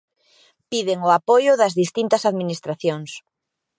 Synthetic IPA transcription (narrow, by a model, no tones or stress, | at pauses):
piðɪŋʊapojʊðɐzðist̪int̪ɐsaðminist̪ɾaθjoŋs